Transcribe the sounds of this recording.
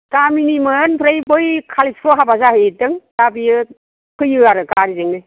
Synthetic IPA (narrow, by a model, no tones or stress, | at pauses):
kaminimɯnpʰɾajbɔjkʰalispʰɔɦabazahɯjitɯŋdabijɯ | kʰɯjɯaɾɯkaɾizeŋnɯj